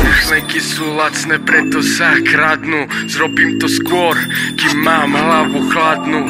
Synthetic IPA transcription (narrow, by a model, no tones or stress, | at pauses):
xlɛkisuːlat̪snɛːpɾɛt̪ɔsakɾad̪nuzɾɔbiːmt̪ɔskʊɔɾkimːaːmɦlaʋuxlad̪nu